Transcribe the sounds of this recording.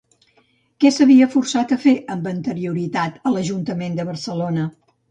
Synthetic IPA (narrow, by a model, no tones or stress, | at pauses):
kɛsəβiəfursat̪əfeʔəmbənt̪əɾiuɾit̪at̪ələʒunt̪əmend̪əβərsəlonə